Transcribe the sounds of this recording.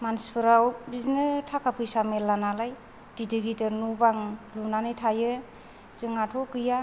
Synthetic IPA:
manspʰɯɾawbiznɯtʰakʰapʰɯjsamelːanalaj | ɡitɯɡitɯɾnubaŋlunanɯtʰajɯ | zɯŋatʰɔkɯja

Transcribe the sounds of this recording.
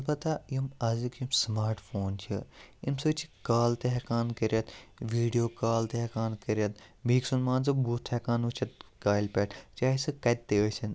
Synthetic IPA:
ɐlbɐt̪ːajimɐzikimsmaːɾʈfʰoːnt͡ʃʰḭimsɨt͡ʃʰi̥kaːlt̪eɦɛkaːnkɐɾjɐt̪ʋiːɖijoːkaːlt̪eɦekaːnkɐɾɐt̪̚bʱiːksunmaːnz̬ɨbuːt̪ʰekaːnut͡ʃʰɐt̪̚kaːlpʲeʈt͡ʃaːɦisɨkɐt̪̚t̪ːeːt͡ʃʲʰɐn

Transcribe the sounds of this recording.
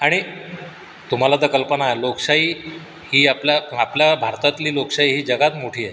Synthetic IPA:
aɽ̃i | t̪um̤alat̪əkəlpənaeloksaiː | hiːapljaapljabʱaɾt̪at̪liːloksaiːɦiːd͡ʑəɡat̪moʈʰiːe

